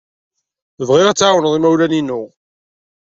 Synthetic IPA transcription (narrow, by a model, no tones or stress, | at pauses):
əvʁɪʁæt͡sːawənəðˤimæwlæninːʊ